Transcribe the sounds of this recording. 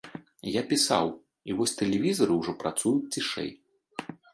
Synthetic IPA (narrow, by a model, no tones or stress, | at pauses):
japʲisa̰w | ivɔsʲt̪ɛlʲɛvʲizɐɾɨwʐɔpɾat̪sujut͡sʲt͡sʲiʂɛ̰j